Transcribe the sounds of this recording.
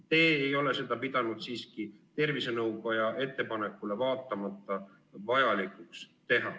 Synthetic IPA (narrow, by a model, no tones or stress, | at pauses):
t̪e̞ːejo̞le̞se̞d̪̥ɑpid̪̥ɑnud̪̥siːskit̪e̞rvise̞nɤwkojɑʔe̞t̪ːe̞pɑne̞kːˑule̞vɑːt̪ːˑɑmɑt̪ːˑɑ | vɑjɑlikˑukst̪e̞ɦɑ